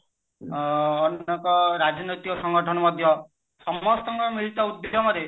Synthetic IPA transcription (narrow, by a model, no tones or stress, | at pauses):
nekɔɾad͡ʒɔnɔjt̪ikɔsɔŋɡɔʈʰɔnɔmɔd̪ʱjɔ | sɔmɔst̪ɔŋkɔmiɭit̪ɔud̪jɾɔmɔɾe